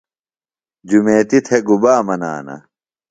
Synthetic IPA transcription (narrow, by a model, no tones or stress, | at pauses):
d͡ʑumeːt̪it̪ʰeɡubaːmɐna̰ːnɐ̰